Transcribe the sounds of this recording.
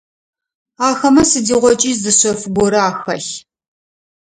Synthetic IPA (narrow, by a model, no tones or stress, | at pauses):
aːxɐmɐsɨdiːʁʷɔt͡ʃʼiːzɨɕɐfɡʷɔɾɐaːxɐɬ